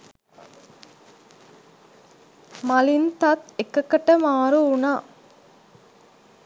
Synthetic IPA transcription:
mɐlint̪ɐt̪ekəkəʈəmaːɾuunaː

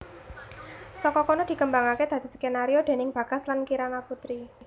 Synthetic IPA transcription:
sɔkɔkɔnɔd̪̥i̤kəmbaŋaked̪̥ä̤d̪̥i̤sə̥kenaɾiod̪̥e̤nɪŋb̥ä̤ɡ̥a̤slankiɾanaput̪ɾi

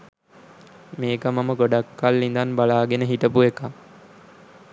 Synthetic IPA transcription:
meːkəmaməɡoɖakːalːind̪anbalaːɡenəɦit̪əpueka

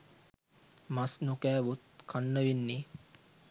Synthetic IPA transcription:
masnukæːʋut̪̚kʰanːəʋinːe

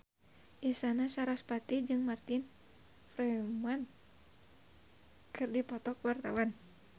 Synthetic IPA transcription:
ʔist̪anasaɾaspat̪id͡ʒɨŋmart̪ɪn | fɾɛman | kʰɨrdipɔt̪ɔkwart̪awan

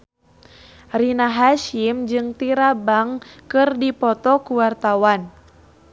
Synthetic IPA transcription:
rinaɦaʃimd͡ʒɨŋt̪iɾabaŋkɨrdipɔt̪ɔkuwart̪awan

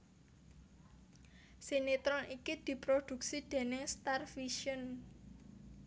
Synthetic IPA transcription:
sinit̪ɾɔnikid̪̥i̤pɾod̪̥ṳk̚sid̪̥e̤nɪŋst̪arfiʃən

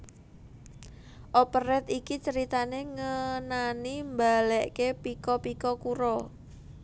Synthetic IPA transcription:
ʔɔpərɛt̪ikit͡ʃəɾit̪aneŋənanimbalɛʔkepikɔpikɔkuɾɔ

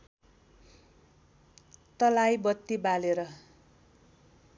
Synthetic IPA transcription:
t̪ʌlajbʌt̪ːibaleɾʌ

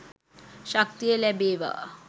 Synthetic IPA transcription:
ʃak̚t̪ijəlæbeːʋa̰

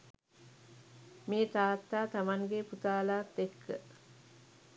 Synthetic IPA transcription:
meːt̪aːt̪ːaːt̪amaŋɡeput̪aːlaːt̪ːekʰːə̰

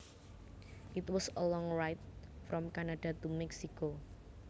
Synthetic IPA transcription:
ʔit̪wɔsəlɔŋɹajt̪̚fɾɔmkanaɖ̥a̤t̪umɛksiko

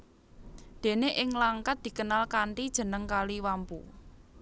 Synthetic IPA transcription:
d̪̥e̤neʔɪŋlaŋkat̪̚d̪̥i̤kənalkaɳʈid̥ʒ̥ə̤nəŋkaliwampṵ

